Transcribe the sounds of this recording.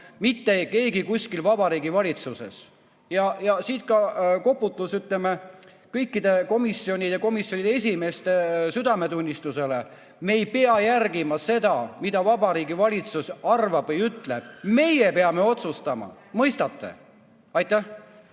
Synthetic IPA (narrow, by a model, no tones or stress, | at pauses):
mit̪ːeke̞ːɡikusʲkilvɑb̥ɑɾiːɡivɑlʲit̪suse̞̰s | jɑjɑsiːt̪̚kɑko̞pːˑut̪ˑːusyt̪ˑleme | kɤjkːid̪e̞ko̞misːio̞nʲid̪̥eko̞misjo̞nʲid̪eesʲime̞ːst̪e̞syd̪̥ɑme̞t̪unʲːist̪use̞le̞ | meːjpe̞ɑjærɡimɑse̞d̪̥ɑmid̪̥ɑvɑbɑɾiːɡivɑlʲit̪susɑrvɑb̥vɤjyt̪le̞b̥me̞jepe̞ɑme̞o̞t̪sust̪ɑmɑ̰ | mɤjst̪ɑt̪ːe̞̰ | ɑjt̪ːˑæh